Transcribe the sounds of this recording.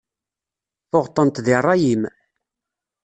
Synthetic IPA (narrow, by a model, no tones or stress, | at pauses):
θʊʁt̪ˤːənt̪ðɪrˤːɑjim